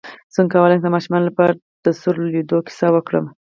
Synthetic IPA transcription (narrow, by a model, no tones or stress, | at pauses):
z̥əŋkawalajd̪əmɑʃʊmɑnlapɑɾa | d̪̥əsʊɾled̪okɪ̥sɑwəkɽə̰m